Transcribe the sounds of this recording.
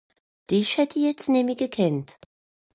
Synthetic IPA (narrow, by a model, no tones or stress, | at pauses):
d̥iʃɛdiɛtʰnɪmiɡəkʰɪnt